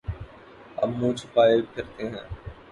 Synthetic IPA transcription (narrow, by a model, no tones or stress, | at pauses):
ɐ̰bmũːt͡ʃʰpaːekʰɪɾt̪eɦɛ̰̃ː